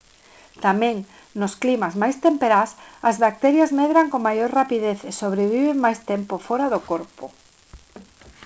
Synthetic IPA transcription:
t̪amɛ̃ŋ | nʊsklimazmajst̪empeɾasɐzβak̚t̪ɛɾjazmɛðɾaŋkoŋmajoɾrapiðeθesoβ̞ɾeβ̞iβeŋmajst̪ɛmpofɔɾaðokoɾpʊ

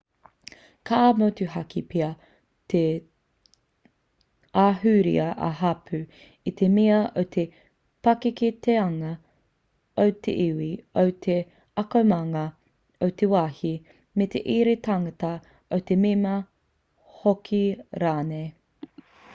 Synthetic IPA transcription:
kʰaːmotuɦɐkipʰiɐ | t̪ʰe | aɦʉɾḭɐʔɐ̰ɦɐpʰʉ | it̪ʰemiɐowt̪ʰe | pɐkiket̪ʰeɐŋɐ | owt̪ʰḛʔiwiowt̪ʰe | ɐkomɐŋɐ | owt̪ʰewaːhi | met̪ʰeʔiɾet̪aŋɐtɐ | owt̪ememɐ | hokʰiɾaːnej

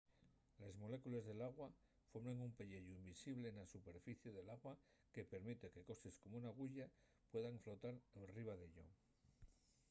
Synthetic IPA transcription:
lezmo̞le̞kulezðe̞laɣwa | fomeŋumpeʎeʝuimbisiβle̞nasupe̞ɾfiθjeðe̞laɣwa | ke̞pe̞ɾmit̪e̞ke̞ko̞sesko̞mounaɣ̞uʝa | pwe̞ðaɱflo̞t̪aɾenriβ̞aðe̞ʎo̰

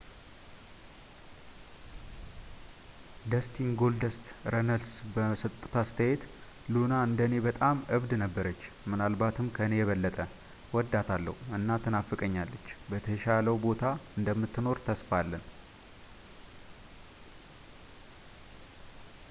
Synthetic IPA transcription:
d̪əst̪ʰiŋɡo̞ld̪əst̪ɾənəlsbəsət̪ʼːu̥t̪ast̪ʰəjet̪ | lunaɨnd̪əne̞bət̪ʼamʔɨβd̪nəbːəɾət͡ʃː | mɨnalbat̪ʰɨmkʰəɨne̞jɛβəlːət̪ʼə | wɔd̪ːat̪ʰalːə̰huɨnːat̪ʰɨnafːɨkʼəɲːalːət͡ʃːbət̪ʰəʃaləwbo̞t̪ʰaɨnd̪əmːɨt̪ːɨno̞ɾt̪ʰəsfalːən

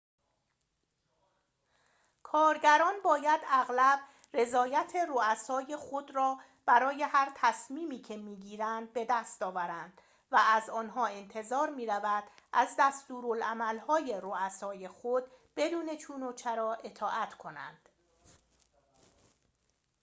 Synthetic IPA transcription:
kʰɒːɾɟæɾɒːnbɒːjæd̪æɣlæb̥ | re̞zɒːjæt̪ʰe̞roæsɒːje̞xo̞d̪rɒː | b̥æɾɒːje̞hæɾt̪ʰæsmiːmiːcʰe̞miːɟiːɾænd̪̚be̞d̪æst̪ɒːvæɾænd̪̥ | vææzɒːnɦɒːe̞nt̪ʰe̞zɒːɾmiːɾævæd̪̥ʔæzd̪æst̪uːɾolæmælhɒːje̞ɾoæsɒːje̞xod̪̥̚be̞d̪uːne̞t͡ʃʰuːnot͡ʃʰeɾɒːʔet̪ʰɒːʔæt̪ʰkʰo̞næ̰nd̪̥

